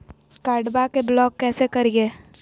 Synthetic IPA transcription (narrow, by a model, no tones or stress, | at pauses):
kaːɖbakeblɔːkːɛːsekɐɾieː